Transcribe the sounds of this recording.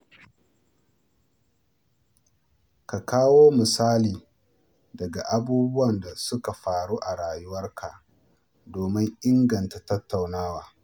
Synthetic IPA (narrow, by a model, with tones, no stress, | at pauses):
ka˨kaː˦woː˦mɪ˨saː˦liː˨ | dɐ˨ɡa˨ʔa˦buː˦bʊ˦wɐ˨nda˨sʊ˦ka˨ɸaː˨ɽuː˦ʔa˨ɽaː˨jʊ˦wɐ˦rkʰa˨ | doː˨mɪ˦ŋʔɪ˦ŋɡɐ˨nta˨tɐ˦tːa˨wnaː˦waː˨